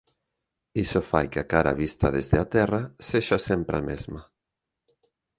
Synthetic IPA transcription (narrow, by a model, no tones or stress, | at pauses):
isofajkeakaɾa̰βist̪aðezðeat̪ɛraseʃasɛmpɾʔamezma